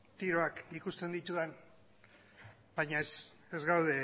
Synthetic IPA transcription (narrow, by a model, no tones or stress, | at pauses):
t̪iɾo̞akikust̪e̞nd̪it̪uðen | b̥ajɲaes | ezɣawð̞e̞